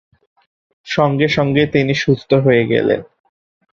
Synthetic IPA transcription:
ʃɔŋɡeʃɔŋɡet̪iniʃust̪ʰoɦoeɡɛ̰lḛn

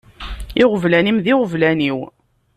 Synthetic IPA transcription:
ɪʁəvlænimðiʁəvlæniw

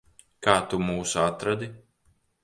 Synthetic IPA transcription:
kaːt̪umuːsuat̪ɾad̪i

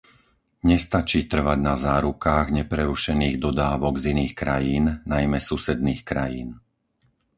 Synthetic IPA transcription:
ɲɛst̪at͡ʃiːt̪r̩ʋaɟnazaːɾukaːɣɲɛpɾɛɾuʃɛniːɣd̪ɔd̪aːʋɔɡziniːxkɾajiːnnajmɛsusɛd̪niːxkɾa̰jiːn

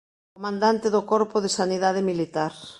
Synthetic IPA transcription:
komãnd̪ant̪eðokɔɾpoðesaniðað̞emilit̪aɾ

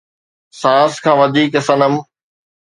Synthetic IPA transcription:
sãːskʰãːʋɐd̪ʱiːkɐsənəm

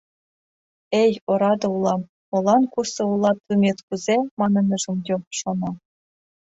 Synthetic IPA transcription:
ejɤ̆ɾɑd̪ɤ̆ulˠɑm | ŏlˠɑnkursɤ̆ulˠɑt̪ɯmʲet̪kuzʲemɑnɤ̆nʲɤ̆ʐumdʲemʂonɑ

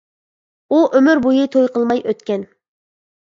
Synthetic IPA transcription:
uʔømyɾbujɨt̪ʰojqʰəlˠmɑjʔøt̪kʲɛn

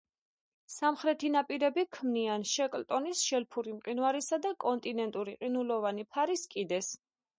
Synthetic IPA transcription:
samχɾɛt̪ʰinapʼiɾɛbikʰmnianʃɛkʼlt̪ʼɔnisʃɛlpʰuɾimqʼinvaɾisad̪akʼɔnt̪ʼinɛnt̪ʼuɾiqʼinulɔvanipʰaɾiskʼid̪ɛs

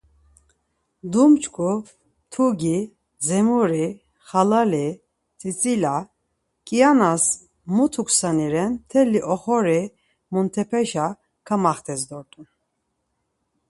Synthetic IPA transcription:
d̪umt͡ʃʼkʼu | t̪ʰuɡi | zɛmuɾi | χalali | t͡sʼit͡sʼila | kʼijanas | mut̪ʰukʰʼsaniɾɛnt̪ʰɛliʔɔχɔɾi | munt̪ʰɛpʰɛʃa | kʰamaχt̪ʰɛsd̪ɔɾt̪ʼun

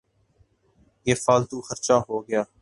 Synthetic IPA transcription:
jeːfaːlt̪uːxəɾt͡ʃaːɦoːɡɪjaː

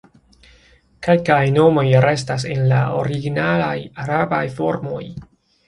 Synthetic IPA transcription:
kelkajno̞mo̞jɾe̞s̬tas̬e̞nlao̰ɾiɡinalajaɾabajfo̞ɾmo̞j

